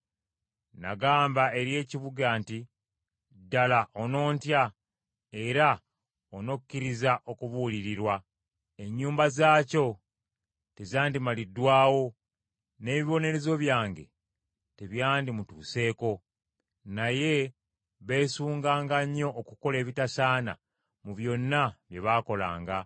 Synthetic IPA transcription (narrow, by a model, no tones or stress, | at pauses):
na̰ɡaːmbae̞ɾje̞ːciβuɡanti | dːalaʔono̞ːntja | e̞ɾa | ono̞kkcːiɾizaʔo̞kuβuliɾiɾwa | e̞ɲːuːmbazaːco̞ | te̞zaːndimalidːwaːwo̞ | ne̞ːβiβo̞ne̞ɾe̞zo̞βjaːŋɡe̞̰ | te̞βjaːndimutuːse̞ːko̞ | naje̞ | βe̞ːsuːŋɡaːŋɡaɲːo̞ʔːkuko̞le̞ːβitasaːna̰ | muβjo̞nːaβje̞βaːko̞la̰ːŋɡa